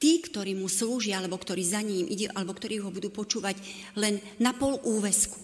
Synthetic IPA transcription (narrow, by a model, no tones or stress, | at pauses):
t̪iːkt̪ɔɾiːmusluːʒɪaalɛbɔkt̪ɔɾiːzaɲimʔḭɟɛʔalɛbɔkt̪ɔɾiːuɦɔbud̪uːpɔt͡ʃuːʋaɟ | lɛnːapɔluːʋɛsku̥